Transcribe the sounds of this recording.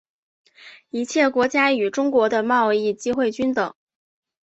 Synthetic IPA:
i˧˥t͡ɕʰjɛ˥˩kwɔ˧˥t͡ɕja˥y˨˩ʈ͡ʂʊ˥ŋkwɔ˧˥d̪ə˧mɑ˥˧ʊi˥˩t͡ɕi˥xwe˥˩ɪt͡ɕy˥nt̪ɤ˨˩˦ŋ

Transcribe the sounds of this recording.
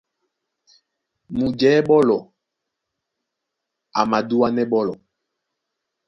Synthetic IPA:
mu˨d͡ʒɛ˨˦ɓɔ˦lɔ˨ | a̰˨ma˨du˦wa˦nɛ˦ɓɔ˦lɔ˨

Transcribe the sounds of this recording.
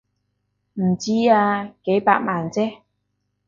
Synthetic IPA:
m̩˨˩t͡siː˦˥aː˧ke˨˥jpaː˧t̚maː˨˩nt͡sɛː˥

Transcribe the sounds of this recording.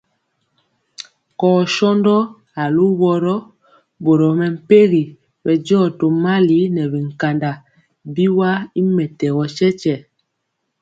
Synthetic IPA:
kɔː˨ʃɔ˦ndɔ˦ | a˨lu˦wɔ˨ɾɔ˦ | bo˨ɾɔ˨mɛ˨m̩˦˨pe˦ɣi˨ | bɛ˨d͡ʒɔː˦˨to˨ma˦li˨˦nɛ˨βi˨ŋ˨ka˨nda˨ | bi˦wa˦i˦mɛ˨tɛ˨ɣɔ˨t͡ʃɛ˦t͡ʃɛ˨

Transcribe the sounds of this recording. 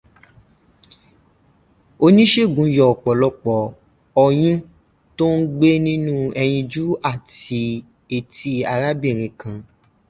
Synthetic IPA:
o˦nĩ˦ʃe˦˨ɡũ˨˦jɔ˨ɔ˨k͡pɔ˨lɔ˧k͡pɔ˨ | ɔ˧j̃ĩ˦ | to˦n̩˦ɡ͡be˦nĩ˦nũ˦ɛ˧j̃ĩ˧d͡ʒu˦a˦˨ti˧ | e˨ti˧˦a˨ɾa˦bi˦˨ɾ̃ĩ˨kã˨

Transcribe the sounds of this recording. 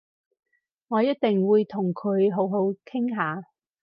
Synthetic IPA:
ŋɔː˨˧jɐ˥t̚t̪ɪ˨ŋwuː˨˧jt̪ʰʊ˨˩ŋkʰɵ˨˧ɥɦo˨˥wɦo˨˥wkʰɪ˥ŋɦaː˨˧

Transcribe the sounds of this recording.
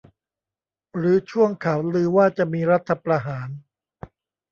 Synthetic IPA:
ɾɯː˩˦t͡ɕʰu˥˩əŋkʰaː˩˦wlɯː˧waː˥˩t͡ɕa˨˩ʔmiː˧ɾa˦˥t̪ʰːa˧pɾa˧ɦaː˩˦n

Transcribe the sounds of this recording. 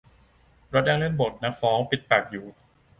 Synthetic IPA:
ɾo˦˥t̪̚jaː˥˩ŋlɯ˥˩ənbo˨˩t̪̚na˦˥k̚fɔː˦˥ŋpi˨˩t̪̚pɛː˨˩k̚juː˨˩

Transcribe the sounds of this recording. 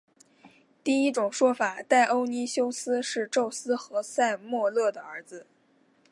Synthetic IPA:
t̪i˥˩i˥ʈ͡ʂʊ˨˩ŋʂwɔ˥fa˨˩t̪a˥˩ɪʔo˥ʊni˧˥ɕjo˥ʊsɹ̩˥ʂɻ̩˥˧ʈ͡ʂo˥˩ʊsɹ̩˥xɤ˧˥sa˥˧ɪmwɔ˥˧lɤ˥˩d̪ə˩ə˞˧˥d͡zɹ̩˧

